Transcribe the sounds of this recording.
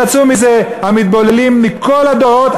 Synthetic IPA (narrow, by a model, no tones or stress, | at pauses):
at͡sumizehamit̪̚bolelimːikʰo̞lad̪oot̪